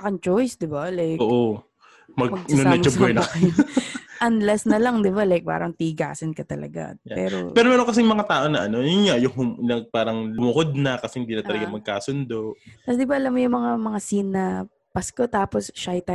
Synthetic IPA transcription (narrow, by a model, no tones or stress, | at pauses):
ɐkɐnt͡ʃojsd̪ɪbalajkoːʔʔo | mɐɡmɐɡnoɐŋt͡ʃɐbojnɐkɐnʔɐnd̪lɛsnɐlɐŋd̪ɪbalajk̚pa̰ːɾɐŋt̪iɡa̰ːsɐnkɐt̪ɐlɐ̰ɡa̰ppɛ̰ːɾo̰pɛːɾomɛːɾoŋkɐsɛŋmɐŋat̪aːʔo̞nɐʔɐno̞jʊnŋaʔjʊŋhʊmlɐɡ̚paːɾɐŋlʊmʊkod̪̚nɐkɐsɛhɪnd̪iːnɐt̪ɐlɐɡamɐɡ̚kaːsʊnd̪o̞ʔt̪ɐsd̪ɪbaʔɐlamːojʊŋmɐŋamɐŋasinːɐ | pɐskot̪aːposʃajt̪a